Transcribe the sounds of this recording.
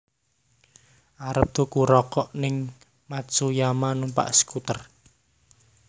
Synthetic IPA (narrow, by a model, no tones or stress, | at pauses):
ʔaɾəp̚t̪okuɾɔkɔʔnɪŋ | masujamanumpa̰ʔsə̥kut̪ər